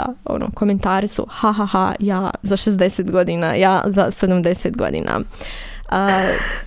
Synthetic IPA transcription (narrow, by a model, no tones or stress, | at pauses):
a̰o̞̰no̰kome̞nt̪aːɾɪsṵhaɦaɦa̰jaːzaʃezd̪eseːt̪ɡo̞d̪iːna̰jaːzased̪amd̪e̞seːt̪ɡo̞̰d̪ḭːna̰ | ə